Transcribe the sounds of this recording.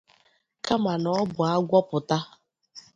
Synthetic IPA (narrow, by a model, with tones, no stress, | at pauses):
ka˦ma˨nɔ˨˦bʊ˨a˦ɡʷɔ˦pʊ˨ta˦